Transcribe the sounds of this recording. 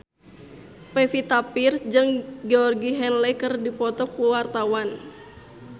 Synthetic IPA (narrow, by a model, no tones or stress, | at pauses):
pɛfit̪apirsd͡ʒɨŋɡeɔrɡiɦɛnlɛkɨrdipɔt̪ɔkuwart̪awan